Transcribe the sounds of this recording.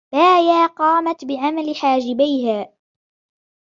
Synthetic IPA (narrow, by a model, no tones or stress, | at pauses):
b̥aːjaːqɑːmat̪bɪʕamalɪħaːd͡ʒɪbajhaː